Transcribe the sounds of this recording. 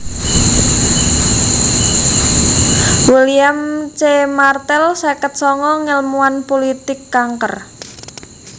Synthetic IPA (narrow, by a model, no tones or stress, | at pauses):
wiliamt͡ʃemart̪ɛlsɛkət̪̚sɔŋɔŋəlmuanpolit̪ɪkːaŋkə̰r